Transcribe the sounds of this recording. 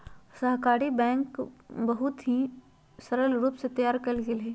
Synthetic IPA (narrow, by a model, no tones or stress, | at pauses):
səɦkaːɾibɛ̃ːŋkbɐɦʊt̪ɦĩ | səɾəlɾuːpset̪əjaːɾkɐlɡeleː